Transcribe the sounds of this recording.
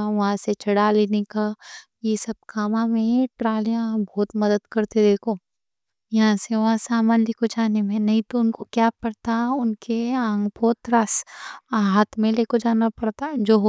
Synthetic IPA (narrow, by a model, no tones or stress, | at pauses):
ʋɐɦãset͡ʃʰɐɽaːlinĩka | jesɐb̚kʰaːmãmẽʈɾaːljãbʱɔːt̪mɐd̪əd̪kɐɾt̪ʰed̪eːkʰo | jɐɦãseʋɐɦãsaːmaːnleːkod͡ʒaːnemẽnɐɦĩt̪oʊnkokjaːpɐɽt̪aʊnkeãːŋɡbɔːt̪ɾaːsaɦaːt̪ʰmẽleːkod͡ʒaːnapɐɽt̪ad͡ʒoːɦ